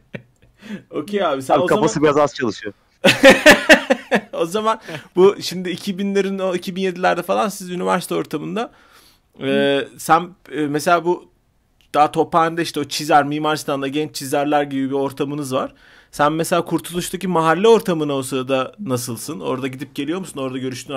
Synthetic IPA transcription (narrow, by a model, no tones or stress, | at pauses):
o̞cʰejaːbisæokafasɯbiazast͡ʃʰalˠɯʃɯjo | o̞zamanbuʃimd̪ɪːcʰibinlʲeɾinoicʰibinje̞d̪ilʲæɾd̪ɛfalˠansizynivæɾsit̪ʰɛo̞ɾt̪ʰamɯnd̪a | ɛːsænːmese̞lʲaːbu | d̪̥aɦat̪ʰo̞pand̪ɛiʃt̪ɛo̞t͡ʃʰizæɾmiːmaɾist̪ʰand̪aɟɛnt͡ʃt͡ʃʰizæɾlʲæɾɟibibio̞ɾt̪ʰamɯnɯzvaɾ̥ | sænmese̞lʲaːkʰuɾt̪ʰulˠuʃt̪ʰacimaɦalʲːɛo̞ɾt̪ʰamɯnaosad̪anas̬ɯlˠsɯno̞̰ɾd̪aɟid̪ip̚ɟe̞lijo̞ɾmusuno̞ɾd̪aɟø̞ɾyʃt̪ʰyn